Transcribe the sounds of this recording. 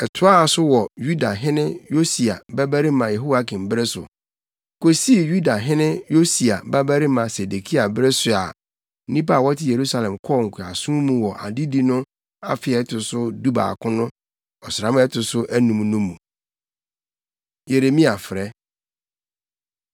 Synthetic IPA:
ɛ˨tʰʊ˦a˦a˨sʊ˦wɔ˨ju˦da˨ɦɪ̃˦nɪ̃˦jo˦si˨a˨bæ˦bæ˦ɾi˦mã˨je˨ɦo˦wa˦kʰɪ̃˨m˨bɾɛ˦sʊ̰˨ | kʰo˦si˦˨ju˦da˨ɦɪ̃˦nɪ̃˦jo˦si˨a˨ba˦bæ˦ɾi˦mã˨se˨de˨kʰi˦a˨bɪ˦ɾɛ˦sʊ˨a̰˨ | n̩˦nĩ˦p̬a˦˨wɔ˦tʰɪ˦˨je˨ɾu˦sa˨lɛ̃˨mkʰɔ˦˨ŋ̩˨kʷʰʊ˨a˨sũ˦mũ˦wɔ˨ʔa̰˨di˦di˦nʊ̃˦ | a̰˦fɪ˨ɛ˦tʰʊ˨sʊ˦du˦ba̰ː˨kʰʊ̃˦nʊ̃˦ | ɔ˨sɾã˨m̃˦ɛ˦tʰʊ˨sʊ˦ʔæ˦nũ˨mnũ˦mːũ˨ | je˨ɾe˨mĩ˦a˨fɪ˨ɾɛ˦

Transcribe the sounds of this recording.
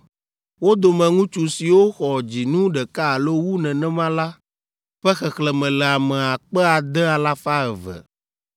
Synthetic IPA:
wo˦d̪o˨mɛ̃˨ŋũ˦t͡ʃu˨si˨wo˦xɔ˨d͡ʑi˨nũ˦ɖɛ˨ka˦˨lo˦wu˦nɛ̃˨nɛ̃˦mã˦la˦ | ɸɛ˦xɛ˨xlɛ˨mɛ̃˨lɛ˨a˨mɛ̃˨a˨k͡pɛ˦a˨d̪ɛ˦a˨la˦fa˦ɛ˨vɛ̰˨

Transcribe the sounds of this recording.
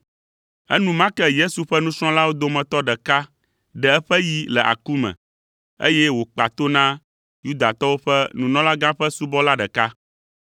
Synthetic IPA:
ɛ̰˦nũ˦mã˦kɛ˦je˦su˨ɸɛ˦nũ˦sɾ̃ɔ̃˦la˦wo˦d̪o˦mɛ̃˨t̪ɔ˦ɖɛ˨ka˦ | ɖɛ˨ɛ˦ɸɛ˦ji˦lɛ˨ʔa̰˨ku˦mɛ̰̃˨ | ḛ˦jɛ˦wo˨k͡pa˨t̪o˦nã˦ | ju˦d̪a˨t̪ɔ˦wo˦ɸɛ˦nũ˨nɔ̃˦la˦ɡã˦ɸɛ˦su˦bɔ˦la˦ɖɛ˨ka˦

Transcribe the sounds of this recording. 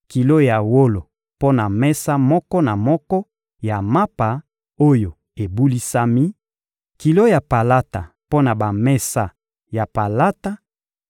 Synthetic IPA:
ki˨lo˦ja˨wo˦lo˨ | po˦na˨mɛ˦sa˦mɔ˦kɔ˦na˨mɔ˦kɔ˦ | ja˨ma˦pa˨ | o˦jo˨ | e˨bu˦li˦sa˦mi˦ | ki˨lo˦ja˨pa˨la˦ta˨ | po˦na˨ba˨mɛ˦sa˦ | ja˨pa˨la˦ta˦

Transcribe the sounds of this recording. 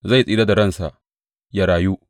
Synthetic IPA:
za˦˨jsʼiː˦da˦da˨ɽɐ˦˨nsa˨ʔ | ja˦ɽaː˨ju˦ʔ

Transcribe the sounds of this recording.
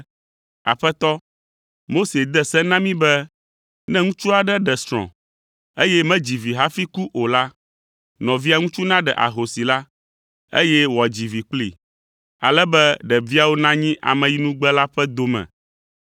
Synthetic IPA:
a̰˨ɸɛ˦t̪ɔ˦ | mo˦se˨d̪ɛ˦sɛ̃˦nã˦mĩ˦bɛ˦ | nɛ̃˦ŋũ˦t͡ʃu˦a˨ɖɛ˦ɖɛ˨stɾɔ̰̃˨ | e˦jɛ˦mɛ̃˦d͡ʑi˨vi˨ɦa˦fi˦ku˦ʔo˨la˦ | nɔ̃˨vi˦a˦ŋũ˦t͡ʃu˦nã˦ɖɛ˨ʔa̰˨ɦo˨si˨la˦ | ḛ˦jɛ˦wɔ˨d͡ʑi˨vi˨k͡plḭ˨ | a̰˨lɛ˦bɛ˦ɖɛ˨vi˦a˨wo˦nã˦ɲĩ˦ʔa̰˨mɛ̃˨ji˦nũ˦ɡ͡bɛ˦la˦ɸɛ˦d̪o˨mɛ̰̃˨

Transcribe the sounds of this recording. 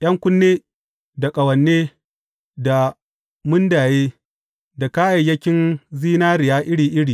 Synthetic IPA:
j̰ʔɐ˦ŋkʷʊ˦nːeː˦ | da˨kʼɐ˨wɐ˨nːeː˦ | da˨ | mʊ˦ndaː˨jeː˦ | da˨ka˦ʔa˨jːɐ˦kʲɪ˦nziː˦naː˦ɾɪ˨jaː˦ʔɪ˦ɽiː˨ʔɪ˦ɽiː˨

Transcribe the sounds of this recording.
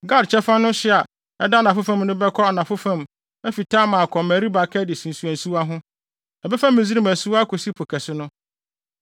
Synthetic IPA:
ɡa˦dt͡ɕʰɛ˦fã˦nʊ̃˦ɕɪ˦a˨ | ɛ˦da˦˨nã˨fʊ˦fã˦mnʊ̃˦bɛ˦kʰɔ˦a˨nã˨fʊ˦fã˦m | æ˦fi˨tʰa˦mã˨kʰɔ˨mæ̃˨ɾi˦ba˨kʰɛ˦dɪ˨sĩ˨n˨su˨æ̃˨nsu˦a˦ɦʊ̃˦ | ɛ˨bɛ˦fa˦mɪ̃˨zi˦ɾi˦mæ˨su˦a˦kʰo˨si˦pʰo˨kʰɛ˨sɪ˦nʊ̃˦

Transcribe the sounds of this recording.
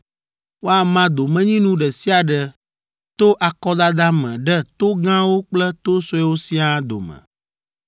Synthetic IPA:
wo˦a˨mã˦d̪o˨mɛ̃˦ɲĩ˦nũ˦ɖɛ˨si˦a˨ɖɛ˨ | t̪o˦ʔa˨kɔ˦d̪a˦d̪a˦mɛ̰̃˨ɖɛ˦t̪o˦ɡã˦wo˦k͡plɛ˦t̪o˦so˦ɛ˦wo˦si˦a˦d̪o̰˨mɛ̰̃˨

